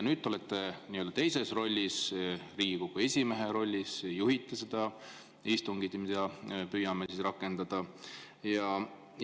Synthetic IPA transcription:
nyːd̪ːo̞let̪ˑːeniøld̪̥ɑt̪e̞jse̞sro̞lʲːisriːɡikoɡ̥oe̞sʲime̞ɦe̞ɾo̞lʲːisjuɦit̪ːˑesed̪̥ɑ | ist̪uŋɡid̪mid̪̥ɑpyːjɑmesisrɑkːˑe̞nd̪̥ɑd̪̥ɑ | jɑ

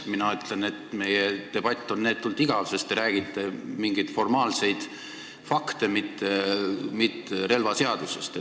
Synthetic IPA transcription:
minɑyt̪le̞ne̞t̪me̞jet̪e̞b̥ɑt̪ʲːˑo̞nneːt̪ːult̪iɡ̥ɑvsest̪eɾæːɡ̥it̪ːˑemiŋɡ̥it̪fo̞rmɑːlse̞jd̪̥ | fɑkt̪emit̪ːemit̪ːeɾe̞lvɑse̞ɑd̪̥usest̪e

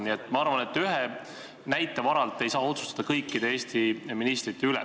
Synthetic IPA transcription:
niet̪ːˑmɑɑɾvɑne̞t̪ːyɦe | næjt̪ːˑe̞vɑɾɑlt̪ːˑe̞jsɑːo̞t̪su̥st̪ɑ̥d̪̥ɑkɤjkːid̪̥e̞e̞ːst̪iminist̪rit̪ːe̞ylɛ̰

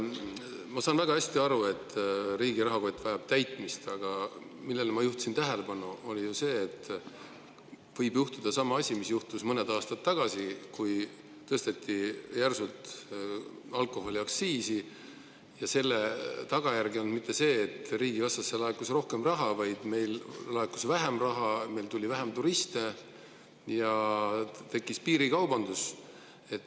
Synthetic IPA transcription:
mɑsɑːnvæɡ̥ɑæsʲt̪iɑɾue̞t̪ɾiːɡiɾɑɦɑkojt̪ːˑvɑjɑb̥̚t̪æjt̪ˑmist̪ɑɡ̥ɑmilːe̞lmɑjuht̪u̥sint̪æɦe̞le̞b̥ɑnuo̞lijuse̞ːt̪ː | vɤjbjuht̪ud̪̥ɑsɑmɑɑsʲimisjuht̪usmɤned̪ɑːst̪ɑt̪ːɑɡ̥ɑsikuj | t̪ɤst̪et̪ːijærsult̪ | ɑlkˑo̞ɦo̞lʲiɑksiːsi | jɑse̞lːet̪ɑɡ̥ɑjærɡiond̪mit̪ːe̞se̞ːt̪riːɡ̥ivɑst̪ɑsːelɑekːˑusro̞hke̞mrɑɦɑvɑjd̪̥me̞jllɑekːusvæɦemrɑɦɑme̞jlt̪ulʲivæɦemt̪uɾist̪e | jɑ | t̪e̞kˑːispiːɾikɑwbɑnd̪us | e̞t̪ː

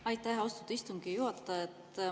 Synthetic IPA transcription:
ɑjt̪ːæɦost̪ud̪̥ɑist̪uŋɡ̥ijuɑt̪ˑːɑet̪ː

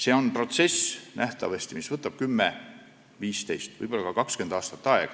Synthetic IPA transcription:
se̞ːo̞npro̞t̪se̞snʔæht̪ɑvɑsʲt̪imisvɤt̪ːˑɑb̥̚kymːe | viːst̪e̞jst̪vɤ̰jbo̞lːɑkɑɑkɑkskend̪̥ɑːst̪ɑ̥t̪ːˑɑḛɡ̥ɑ̥

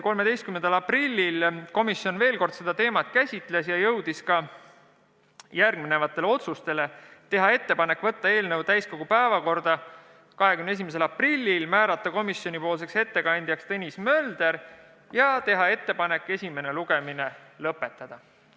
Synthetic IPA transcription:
ko̞lmee̞jst̪kymnend̪̥ɑlɑprilʲːilko̞misːjo̞nve̞ːlko̞rd̪̥se̞d̪̥ɑt̪e̞ːmɑt̪ˑkæsʲit̪ˑle̞sjɑjɤwd̪̥iskɑ | jærɡmine̞vɑt̪ːˑe̞leo̞t̪sust̪e̞le̞t̪e̞ɦɑe̞t̪ːe̞pɑne̞kːˑvɤt̪ːɑe̞ːlnɤwt̪æjsko̞ɡ̥upæevɑko̞rd̪̥ɑ | kɑɦekymneeimes̬e̞lɑprilʲːilmæːɾɑt̪ˑːɑko̞misjo̞nipo̞ːls̬e̞kse̞t̪ːe̞kɑnʲd̪̥jɑkst̪e̞nʲismø̞ld̪̥e̞ɾ | jɑt̪e̞ɦɑe̞t̪ːe̞pɑne̞kːˑe̞sʲime̞ne̞luɡ̥emine̞lɤpːe̞t̪ːˑɑd̪̥ɑ

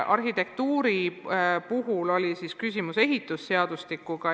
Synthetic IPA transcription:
ʔɑrɦit̪e̞k̚t̪uːɾipuɦulo̞lʲisiskysʲimuse̞ɦit̪ːˑusːe̞ɑd̪̥ust̪ikːˑuɡ̥ɑ

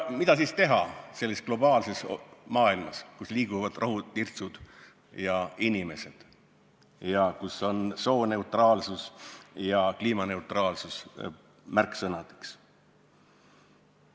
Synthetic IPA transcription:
mid̪̥ɑs̬ist̪e̞ɦɑse̞lːisɡ̥lo̞b̥ɑːlse̞smɑːilmɑskusliːɡ̥uvɑd̪̥rʔɑɦunirt̪sud̪̥ | jɑinʲime̞se̞d̪̥ | jɑkuso̞nso̞ːne̞ut̪rɑːlsusjɑkliːmɑne̞ut̪rɑːlsus | mærkːˑsɤnɑd̪̥e̥ks

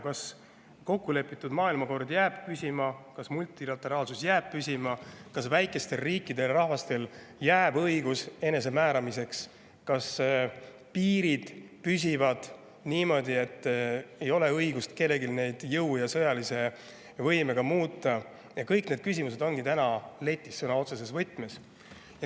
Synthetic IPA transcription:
kɑs | ko̞kːule̞pːˑit̪ːˑud̪mɑːilmɑko̞rd̪jæːb̥pysʲimɑkɑsmult̪ˑilɑt̪ːˑe̞ɾɑːlsusjæːb̥̚pysʲimɑkɑsvæjkːˑe̞st̪e̞lriːkːˑid̪e̞lrɑhvɑst̪e̞l | jæːbɤjɡuse̞ne̞s̬e̞mæːɾɑmise̞ks | kɑs | piːɾid̪̥pys̬ʲivɑd̪̥ | niːmo̞d̪ie̞t̪ːe̞jo̞le̞ɤjɡ̥ust̪ke̞lːe̞ɡilne̞jd̪̥jɤwjɑsɤjɑlise̞ | vɤjme̞ɡ̥ɑmuːt̪ːˑɑ | jɑkɤjkne̞d̪̥kys̬ʲimus̬e̞d̪o̞nɡ̥it̪ænɑle̞t̪ʲːˑisːɤnɑo̞t̪ses̬e̞svɤt̪ːˑmes | jɑ

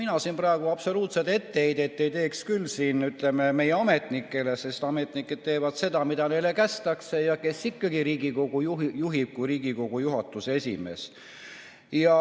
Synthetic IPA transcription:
minɑsinprɑeɡ̥uɑb̥so̞luːt̪set̪e̞t̪ːeejd̪et̪ːˑejt̪e̞ːkskylːsiːnyt̪ˑle̞meme̞jeɑme̞t̪ˑnikːˑe̞le̞se̞st̪ɑme̞t̪ˑnikːˑed̪̥̚t̪e̞ːvɑd̪̥se̞d̪̥ɑmid̪̥ɑne̞jlekæst̪ɑksejɑke̞sikːɑɡ̥iɾiːɡ̥iko̞ɡ̥ujuɦjuɦib̥̚kujɾiːɡiko̞ɡ̥ujuɦɑt̪ːˑuse̞sʲḭme̞̰s | jɑ

